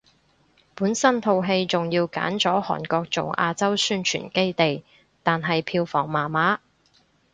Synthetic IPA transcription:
puː˨˥nsɐ˥nt̪ʰo˧wɦe˧jt͡sʊ˨ŋjiː˧wka̰ː˨˥nt͡sɔː˨˥hɔ̰ː˨˩nkɔː˧k̚t͡sʊ˨wʔa̰ː˧t͡sɐ˥wsyː˥nt͡ʃʰy̰ː˨˩nke˥jt̪e˨j | t̪aː˨nɦɐ˨jpʰiː˧wfɔː˨˩ŋmaː˨˩maː˨˥

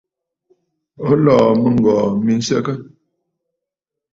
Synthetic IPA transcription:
o˨˦lɔː˨mə˨ŋ˨ɡɔ˨mi˨n̩˦sə̰˦kə˦

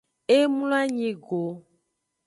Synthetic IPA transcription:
e˦mu˦la˦ɲĩ˨ɡo˨

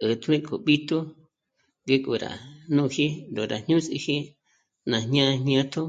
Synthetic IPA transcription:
ɨ˨t̪u˦ĩ˦kʰo˨ɓi˦t̪u˦ | ŋɡe˦ku˨ɾa̰˨nũ˦˧hi˦nd̪o˨ɾa˨ɲ̥ɲũ˦sḭ˧hi˦ | nã˨ɲɲã˦˧ɲɲã˦t̪ʰo˦

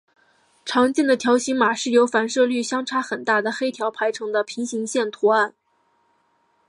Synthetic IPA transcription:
ʈ͡ʂʰɑ˧˥ŋt͡ɕjɛ˥˩nd̪ə˩t̪ʰjɑ˧˥ʊɕi˧˥ŋma˨˩ʂɻ̩˥˩jo˧˥ʊfa˨˩nʂɤ˥˧ly˥˩ɕjɑ˥ŋʈ͡ʂʰa˥xə˨˩nt̪a˥˩d̪ə˩xe˥ɪt̪ʰjɑ˧˥ʊpʰa˧˥ɪʈ͡ʂʰɤ˧˥ŋd̪ə˧pʰi˧˥ŋɕi˧˥ŋɕjɛ˥˩nt̪ʰu˧˥a˥˩n

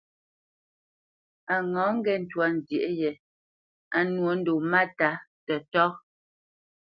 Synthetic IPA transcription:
a˨ŋɔ˨˦ŋ̩˦ɡɛ˨n̩˨twa˦˨n̩˨dje˨ʔjɛ˨ | a˨nwo˨˦n̩˦do˨ma˦ta˨˦tə˨tɔ˦

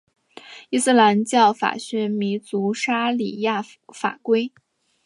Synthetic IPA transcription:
i˥s̩˥˩la˧˥nt͡ɕjɑ˥˩ʊfa̰˨˩ɕɥɛ˧˥mi˧˥t͡su˧˥ʂa˥li˨˩ja˥˩ | fa̰˨˩kwe˥ɪ

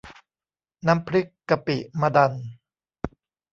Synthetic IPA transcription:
na˦˥mpʰɾɯ˦˥kːa˧pḭ˨˩ma˧da˧n

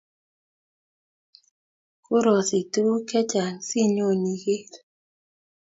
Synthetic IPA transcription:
ko˦ɾo˨si˨tu˦kɛ˦t͡ʃa˨si˦ɲo˦˨ni˨ɡe˦

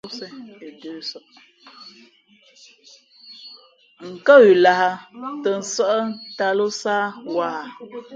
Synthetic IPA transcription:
sə˦e˨dəː˨˦sə˨ʔ | ŋ̩˨kə˦wi˨la˨ha˨tə˨n̩˨˦sə˦ʔə˦nta˨lo˦saː˦waː˨

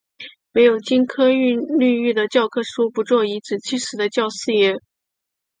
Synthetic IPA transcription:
me˧˥ɪjo˨˩ʊt͡ɕi˥nkʰɤ˥y˥˧nly˥˧y˥˩d̪ə˩t͡ɕjɑ˥˧ʊkʰɤ˥ʂu˥pu˧˥t͡swɔ˥˩i˧˥t͡sɹ̩˨˩t͡ɕʰi˥˩ʂɻ̩˧˥d̪ə˧t͡ɕjɑ˥˧ʊsɹ̩˥˧jɛ˥˩

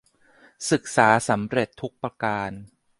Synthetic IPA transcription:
sɯ˨˩k̚saː˩˦sa˩˦mɾe˨˩t̪ʰːu˦˥k̚pɾa˧kaː˧n

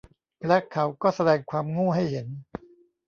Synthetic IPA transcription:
lɛ˦˥kʰːa˦˥wkɔː˥˩sa˧dɛː˧ŋkʰwaː˧mŋuː˥˩ɦa˥˩jhe˩˦n

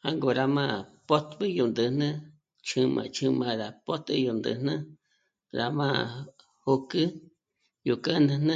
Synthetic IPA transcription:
ha˦ŋɡo˨ɾa˧mã˦˧˨po˦t̪bɨ˦ju˨nd̪ɨ˨nã˦ | t͡ʃʰɨ̃˧mã̰˧t͡ʃʰɨ̃˧mã˧ɾa˨po˦t̪ɨ̰˧˦jo˨nd̪ɨ̰˨nã˦ | ɾa˧mã˦ | ho˧kɨ˦ | ju˨kə˦nɨ̃˧nã˦

